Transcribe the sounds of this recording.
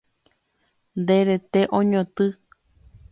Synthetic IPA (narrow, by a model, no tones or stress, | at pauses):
nd̪eɾet̪eʔõɲõt̪ɨ